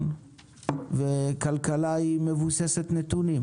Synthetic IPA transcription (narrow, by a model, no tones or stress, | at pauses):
n | vekalkalaime̞vuseset̪net̪unim